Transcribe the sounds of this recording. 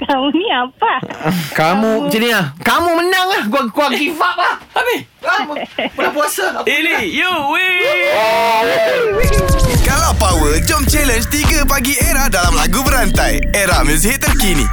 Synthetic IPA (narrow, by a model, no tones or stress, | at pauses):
kamuniapakamũd͡ʒənĩakamũmənãŋahkakuaŋɡifaʔlahabi | bəabuasaiijuwi | kalawpawəld͡ʒɔmt͡ʃɛlənd͡ʒt̪iɡəpaɡieɾahdalamlaɡubəɾant̪aj | eɾahmə̃s̬iɦɪt̪ːərkinḭ̃